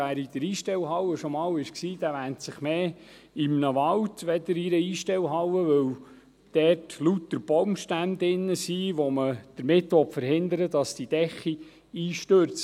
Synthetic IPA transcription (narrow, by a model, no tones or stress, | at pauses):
æːɾid̥̪əɾiːʃtɛwɦɑwəʃɔmɑːwɪʃksiːd̥̪æʋæntsɪχmeː | ɪmnəʋɑltʋɛd̪əɾiɾəiːʃtɛwɦɑwəʋɵw | d̥ɛrtlutdəɾb̥ɔwmʃtænd̪ɪnːəsiːʋɔməd̪̥əɾmɪtʋɔtfəɾhɪnd̪əɾədɑsd̥id̥ɛχi | iːʃtøɾt͡s